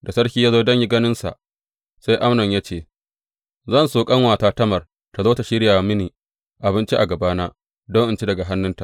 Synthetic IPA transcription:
da˨sɐ˦ɽkʲiː˦jaː˦zoː˦dɐ˦ɲji˦ɡɐ˦nɪ˦nsa̰˨ʔ | sa˦jʔa˦mnɔ˨ɲjaː˦t͡ʃeː˨ | zɐ˦˨nsoː˨kʼɐ˦ŋwaː˨taː˦tɐ˦mɐ˨r | ta˨zoː˦ta˨ʃɪ˦ɽjaː˨mɪ˦niː˨ | ʔa˨bɪ˦nt͡ʃi˦ʔa˨ɡɐ˨baː˦naː˦ | dɔ˦ŋʔɪ˨nt͡ʃi˦dɐ˨ɡa˨ɦa˦nːʊ˦nta˨ʔ

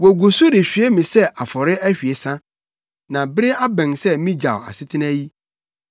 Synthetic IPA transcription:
wɔ˨ɡu˨su˦de˨ɕᶣɥe˦mĩ˨sɛ˦ʔa˨fɔ˨ɾɪ˦æ˦ɕᶣi˨e˨sã˦ | nã˨bɪ˦ɾɪ˦a˦bɛ̃˨nsɛ˦mĩ˦d͡ʑa̰˨wa̰˨sɪ˦tʰɪ˦næ˦ji˦

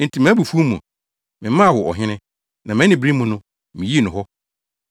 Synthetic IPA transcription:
n̩˨tʰi˨mæ̃˦bu˨fu˦u˦mũ˨ | mɪ̃˨˦mã˦a˨wɔ˨ɔ̰˨ɦɪ̃˦nɪ̃˦ | nã˨mɛ̃˦nɪ̃˨bĩ˦mʊ̃˨nʊ̃˦ | mɪ̃˨ji˦e˦˨nʊ̃˨ɦɔ˦

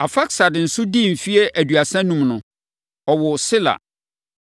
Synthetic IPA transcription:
a˨fa˦ksa˨dɪ˨n̩˨sʊ˦dĩ˦˨m̩˨fi˦e˦ʔæ˨dɥa˨sɛ̃˦nũ˨mnʊ̃˨ | ɔ˨wʊ˨sɪ˦la̰˨

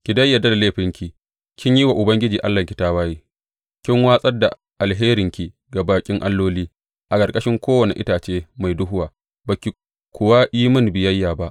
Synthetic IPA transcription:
kʲi˨dɐ˦jːɐ˨da˦da˨leː˦ɸɪ˦ŋkʲi˨ | kʲɪ˦ɲjiː˦wa˨ʔʊ˨bɐ˦ŋɡʲɪ˦d͡ʒiː˨ʔa˦lːa˨kʲi˨taː˦waː˦jiː˦ | kʲɪ˦ŋwaː˦sʼɐ˦da˨ | ʔa˨lɦeː˦ɾɪ˨ŋkʲi˨ | ɡa˨baː˨kʲʼɪ˦ŋʔa˦lːoː˦liː˦ | ʔa˨kʼɐ˨kʼɐ˦ʃɪ˦ŋkʷoː˦wɐ˨nḭ˨ʔɪ˦taː˨t͡ʃeː˦ma˨jdʊ˦ɦʊ˦waː˨ | baː˨kʲi˨ | kʷʊ˨wa˦ʔiː˦mʊ˦nbɪ˨jɐ˦jːaː˨ba˦ʔ

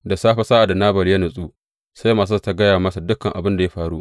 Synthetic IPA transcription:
da˨saː˦ɸɐ˦saː˦ʔa˨da˨naː˦bɐ˨rjɐ˦nʊ˨sʼuː˦ | sa˦jmaː˨s̬a˦sta˦ɡɐ˦jaː˨mɐ˦sa˨dʊ˦kːɐ˨ŋʔa̰˨bɪ˦nda˨ja˦ɸaː˨ɽu˦ʔ

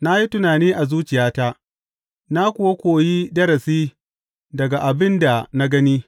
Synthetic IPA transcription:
na˦ji˦tʊ˦naː˨niː˦ʔa˨zuː˦t͡ʃɪ˨jaː˦ta˦ | na˦kʷʊ˨wa˦kʷoː˨ji˦dɐ˦ɾɐ˨siː˦ | dɐ˨ɡa˨ʔa˨bɪ˦nda˨na˦ɡɐ˦niː˦

